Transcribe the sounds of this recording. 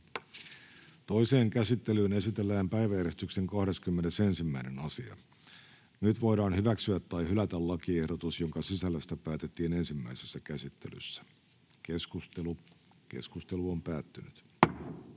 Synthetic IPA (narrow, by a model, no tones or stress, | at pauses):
t̪o̞ise̞ːŋkæsit̪ːelyːne̞sit̪elːæːmpæiʋæjæɾest̪ykse̞ŋkɑhde̞skymːe̞nese̞nsimːæine̞nɑsiɑ̰ | nyt̪ʋo̞jdɑːnhyʋæksyæt̪ːɑihylæt̪ællɑkiehdot̪usjo̞ŋkɑsisælːøst̪æpæːt̪et̪ːiːne̞nsimːæisesːækæsit̪ːe̞̰ly̰sːæ̥ | keskust̪elu | kḛskust̪eluompæːt̪ːynyt̪